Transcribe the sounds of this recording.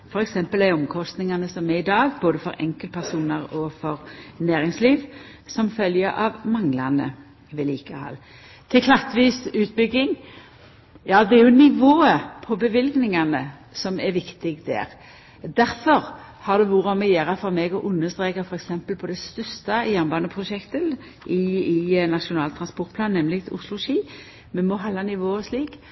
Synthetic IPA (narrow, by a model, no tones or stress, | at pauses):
fɔɾɛksɛmpəlæɔmkʰɔst̪nɪŋɑnəsɔmɛɪd̪ɑːɡboːd̪əfɔɾʔɛ̰ŋkəlt̪pʰæʁsuːnəɾɔfɔɾnæːɾɪŋsliːʋ | sɔmfœljəʔɑ̰ʋmɑŋlɑnə̰ | ʋɛliːkəhɑ̰l | t̪ʰɪlkʰlɑt̪ːʋiːsʉːt̪̚bʏɡːɪŋ | jɑːd̪ɛæɾʁjʊnɪʋoːəpʰɔbəʋɪlɡnɪŋɑnə | sɔmɛɾʋɪkt̪ɪɡd̪ɛ̰ːɾ | d̪æɾfɔʁ | hɑʁd̪ɛʋuːɾɔmɛjeːɾɑfɔɾmɛɡɔʔʊnːəst̪ʁeːkəfɔɾɛksɛmpəlpʰɔd̪ɛst̪œst̪ɑjæʁnbɑːnəpʰʁʊʃɛkt̪ə | ʔɪɪnɑʃʊnɑːlt̪ʰɾɑnspɔʁt̪̚pʰlɑːnːɛmlɪɡt̪ʰʊslʊʃiː | mɛnmɔɦɑlːɑnɪʋoːəsliːk